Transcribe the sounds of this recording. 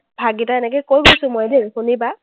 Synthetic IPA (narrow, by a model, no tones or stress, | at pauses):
bʱaɡitaɛnɛkejkojbojsʊ̃mojdinxuniba